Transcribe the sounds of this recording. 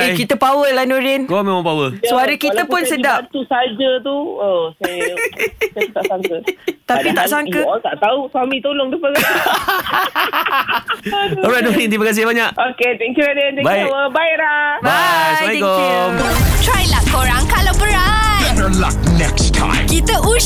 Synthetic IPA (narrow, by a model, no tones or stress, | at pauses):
ekit̪əpawəlahnoɾɪnkomẽmãmpawəsuaɾəkit̪əppʊnsədant̪usad͡ʒət̪uosaj | t̪apit̪aʔsaŋkət̪apit̪aʔsaŋkəɔt̪aʔt̪auswamĩt̪olɔŋdəpə | ɔɹajtnoɾint̪ibakans̬iəbaɲaʔʔoket̪ɛŋkjuladɛnt̪ɛ̃baəbailabasaj̪ko | t̪ɾajlahkoɾaŋkalawbəɾat̪nəla̰k̚nɛkstʰã̰ɪ̃mkit̪əʔu